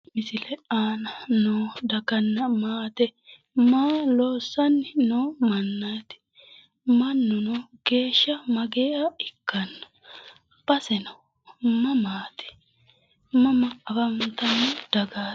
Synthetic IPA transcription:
mɪsɪlɛaːnɐnoːd̪ɐkɐnːɐmaːt̪ɛ | maːloːsːɐnːɪnoːmɐnːaːt̪ɪ̥ | mɐnːʊnoːɡ̥e̞ːʃːɐmɐɡeːʔaɪkːɐnːɐ̥ | b̥ɐsɛnɐw | mɐmaːt̪ɪ̥ | mɐmɐːfɐnt̪ɐnːʊd̪̥ɐɡaː

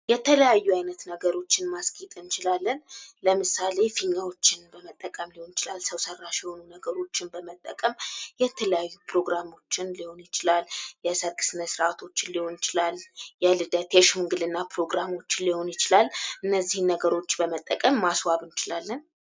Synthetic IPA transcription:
jɛt̪ʰələjajːuajnət̪nəɡəɾo̞t͡ʃːɪnmaskʼit̪ʼɨnt͡ʃɪlalːənləmɨsale̞fiɲːawo̞t͡ʃːɪnbəmət̪ʼːəkʼəmliho̞njɪt͡ʃɪlalsəwsərːaʃɛho̞nunəɡəɾo̞t͡ʃːɪnbəmət̪ʼːəkʼəmjɛt̪ʰələjajːupɾo̞ɡɾamo̞t͡ʃːɪnliho̞njɪt͡ʃɪlaljɛsəɾkʼɨ̥sɨnəsɾat̪ʰo̞t͡ʃːɪnliho̞njɪt͡ʃɪlaljɛlɨd̪ət̪ʰeʃumɡɨlɨnːapɾo̞ɡɾamo̞t͡ʃːɪnliho̞njɪt͡ʃɪlalʔɨnːəzːihɨnːəɡəɾo̞t͡ʃːbəmət̪ʼːəkʼəmːaswaβɨnt͡ʃɪlalːən

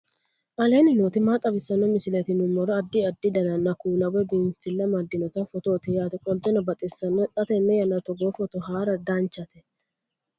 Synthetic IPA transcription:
ʔɐle̞ːnɪnoːt̪ɪmaːt̪ʼɐbɪsːɐnːɔmɪsɪlɛt̪ɪnʊmːɔɾɔɐd̪ːɪɐd̪ːɪd̪ɐnɐnɐkuːnɐwɛbɪnfɪlːɐmɐd̪ːɪnɔt̪ɐfɔt̪oːt̪ɛjaːt̪ɛkʼɔld͡ʒ̪ʼɛnɔbɐt̪ʼɪsːɐnːɛt̪ʼɐt̪ɛnːɛjɐnɐt̪ɔɡoːfɔt̪ɔɦaːɾɐd̪ant͡ʃːɐt̪ɛ̥

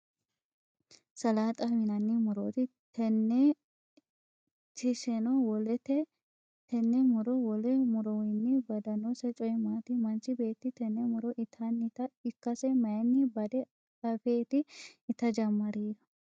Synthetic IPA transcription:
sɐlaːt̪ʼɐwɪnɐnːɪmʊɾoːt̪ɪ | t̪ʰɛnːɛ | t̪ɪʃɛnɔwɔlɛt̪ɛ | t̪ɛnːɛmʊɾɔwɔlɛmʊɾɔwɪnːɪbɐd̪ɐnɔsɛt͡ʃʼɔjmaːt̪ɪmɐnt͡ʃɪbe̞ːt̪ːɪt̪ɛnːɛmʊɾɔʔɪt̪ʰanːɪt̪ɐɪkːɐsɛmɐjɐnːɪbɐd̪ɛ | ɐfeːt̪ɪɪt̪ɐd͡ʒɐmːɐɾiːɾɐ̥

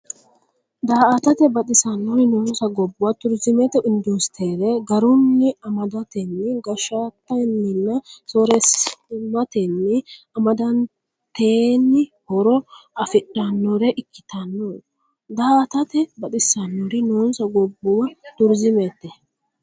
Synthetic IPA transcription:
d̪aːɐt̪ɐt̪ɛbɐt̪ʼɪsɐnːɔɾɪnoːnsɐɡɔbːʊwɐt̪ʊɾzɪmɛt̪ːɛʔʊnd̪ust̪ʰeːɾɛɡɐɾʊnːɪɐmɐd̪ɐt̪ɛnːɪɡɐʃat̪ːɐnːɪnːɐsoɾɛsmɐt̪ɛnːɪ | ɐmɐd̪ɐn | t̪eːnːɪhɔɾɔɐfɪᶑːɐnːɔɾɛʔɪkːɪ̥t̪ʰɐnːo | d̪aːt̪ɐt̪ɛbɐt̪ʼɪsɐnːɔɾɪnoːnsɐɡɔbːʊwɐt̪ʊɾzɪmet̪ːɛ

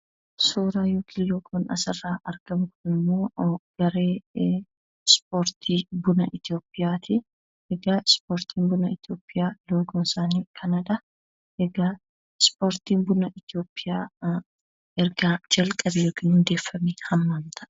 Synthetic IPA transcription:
suːɾaːjoːkʰijoːkʰuːnɐ̰sɐrːaːʔɐɾɡ̥ɐmkʊnɪmːo̞ːɡ̥ɐɾeː | spoːɾt̪ʰiːbʊnɐʔɪt̪jo̞ːpʼːɪjaːt̪ɪ | ʔɛɡaspoːɾt̪ʰiːmbʊnɐɪt̪jo̞ːpʼːɪjaːloːɡʊnsaːniːkʰɐnɐᶑɐ | ɛɡa | spo̞ːɾt̪iːmbʊnɐʔɪt̪ɪjo̞ːpʼːɪjaː | ʔɛɾɡaːd͡ʒɐlkʼɐbɛjoːkɪnhʊnd̪e̞ːfːɐmeːhɐmːaːmt̪ʰɐ̥

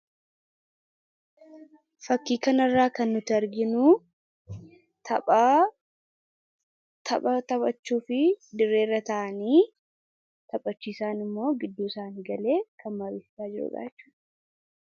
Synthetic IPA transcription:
fɐkːiːkɐnɐrːaːkɐnːʊt̪ɪɐɾɡɪnʊ | t̪ɐ | t̪ʰɐbʼɐt̪ɐbʼɐt͡ʃːuːfɪd̪ɪɾːeːrːɐt̪ɐʔɐniː | t̪ɐpʼːɐt͡ʃːiːsaːnɪmːo̞ːɡɪd̪ːuːɪsaːniːɡɐle̞ːkʰɐnmɐɾiːsɪ̥saːd͡ʒɪɾʊ̰ɡa̰ːt͡ʃːu̥ːᶑɐ̥

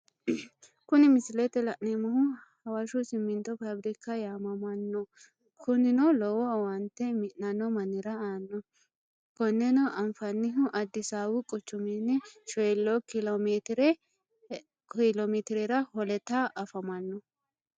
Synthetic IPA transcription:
kʊnɪmɪsɪlɛt̪ːɛlɐʔnemɐhʊhɐwɐʃʊsɪmːɪnt̪ːɔpɐbɾɪkːɐjaːmɐmɐnːɔ | kʰʊnɪnɔlɔwɔwɐnt̪ːɛmɪʔnɐnːɔmɐnːɪɾɐaːnːɔ | kɔnːɛnɔʔɐnfɐnːɪɦʊʔɐd̪ːɪsaːwʊkʼɔt͡ʃːʊminːɛʃɔjɛlːɔkɪlɔmet̪ɾɛ | kɪlomit̪ɪɾɛɾɐhɔlɛt̪ːaʔɐfɐmɐnːɔ

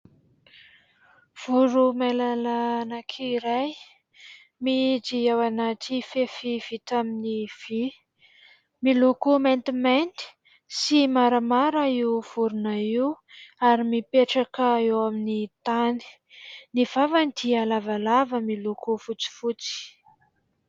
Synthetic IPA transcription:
v̥uɾumalalanakʰiiɾaj | mid͡ziewanaʈ͡ʂifefiv̥it̪aminiv | milukument̪iment̪i̥ | simaɾəmaɾəiwv̥uɾunaiw | aɾimipeʈ͡ʂakəewaminit̪ani̥ | niv̥avant̪ialavalavəmilukufut͡si̥fut͡si̥

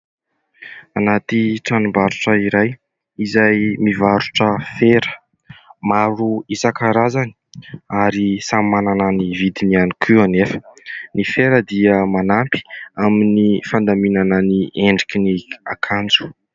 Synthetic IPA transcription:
anat̪iʈ͡ʂanumbaɾuʈ͡ʂəiɾaj | izajmivaɾuʈ͡ʂəfeɾə̥ | maɾuisakaɾazani̥aɾisamanananivid̪inianikʰianefə̥nifeɾəd̪iəmanampi̥aminifand̪aminanənieɳɖ͡ʐikʲinia̰kʰand͡zu̥

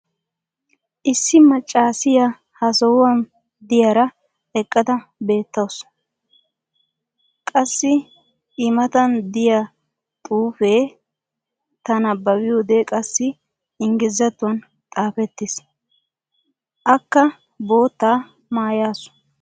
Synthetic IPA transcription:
ʔɪsːɪmɐt͡ʃʼːaːsɪja | hɐsɔwwɐn | d̪ɪjaɾɐ | ɛkʼːɐd̪ɐbe̞ːt̪ːɐws | kʼɐsːɪ | ʔɪmɐt̪ɐnd̪ɪja | t̪ʼuːfeː | t̪ɐnɐbːɐbɪjo̞ːd̪ekʼɐsːɪ | ɪŋɡɪzːɐt̪ːʊwɐn | t̪ʼaːfɛt̪ːɪs | ʔɐkːɐ | bo̞ːt̪ːaː | maːjaːsʊ̥

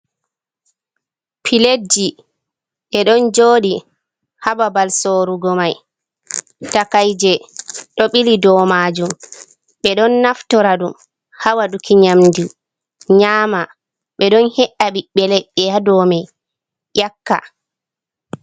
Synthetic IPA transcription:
pʰiled͡ʒi | ʔɛɗɔnd͡ʒoːɗi | hababalsoɾuɡɔmaj | takajd͡ʒɛɗɔɓilidɔmad͡ʒum | ɓɛɗɔnːaftɔɾaɗum | hawaɗukʰiɲamdi | ɲaːma | ɓɛɗɔnhɛʔaɓiɓɛlɛʔɛjadɔmɛ | jakːa̰

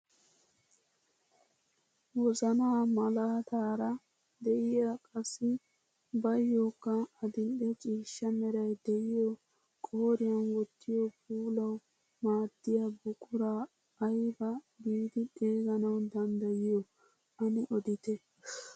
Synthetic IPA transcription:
wɔzɐnaːmɐlaːt̪aːɾɐ | d̪ɛʔɪjakʼɐsːɪ | bɐjːokːɐːd̪ɪnɗɛt͡ʃʼiːʃːɐmɛɾɐjd̪ɛjɪjɔ | kʼoːɾɪjɐnwɔt̪ːɪjɔpuːlɐw | maːd̪ːɪjabʊkʼʊɾaː | jbɐ | biːd̪ɪɗeːɡɐnɐwd̪ɐnd̪ɐjɪjɔ | ɐnɪʔɔd̪ɪt̪ɛ

